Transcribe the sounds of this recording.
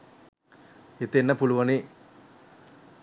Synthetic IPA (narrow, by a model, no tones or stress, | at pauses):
it̪enːɐpuluʋɐni